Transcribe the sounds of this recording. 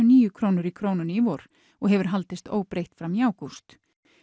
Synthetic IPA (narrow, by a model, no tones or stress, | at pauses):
niːjʏkʰɾoːwnʏɾikʰɾoːwnʏnivɔɾ̥ | ɔɣɦɛvʏɾ̥ɦalt̪ɪst̪o̰ːwpɾejht̪fɾamjaːwkust̪